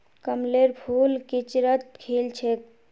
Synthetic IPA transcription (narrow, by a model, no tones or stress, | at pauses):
kəmleɾpʰulkit͡ʃɾət̪̚kʰelt͡ʃʰek